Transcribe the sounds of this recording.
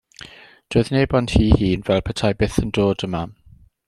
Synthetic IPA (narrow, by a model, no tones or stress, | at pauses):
d̥oːɨðneːbɔnd̥hiːhiːnvɛlˠpʰətʰajbɪθəndoːdəma